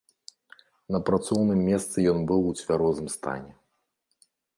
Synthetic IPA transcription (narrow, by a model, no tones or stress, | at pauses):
nɐpɾat̪sɔwnɨmːʲɛst̪sɨjɔnbɨwut͡sʲvʲaɾɔzɨmst̪a̰nʲɛ